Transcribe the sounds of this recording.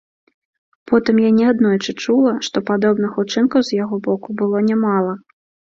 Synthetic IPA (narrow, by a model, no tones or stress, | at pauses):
pɔt̪ɨmjanʲɛad̪nɔjt͡ʂɨt͡ʂulˠɐʂt̪ɔpad̪ɔbnɨxut͡ʂɨnkɐwzjaɣɔbɔkubɨlˠɔnʲɛmalˠɐ